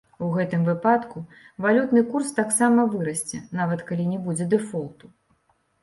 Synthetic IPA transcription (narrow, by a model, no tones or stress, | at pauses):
uɣɛt̪ɨmvɨpat̪ku | valʲut̪nɨkurst̪aksamɐvɨɾɐsʲt͡sʲɛnavɐt̪kalʲinʲɛbud͡zʲɛd̪ɛfɔlˠt̪u